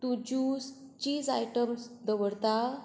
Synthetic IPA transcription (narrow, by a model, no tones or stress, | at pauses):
t̪ud͡ʑus | t͡ɕiːzajʈəmsd̪əʋəɽt̪a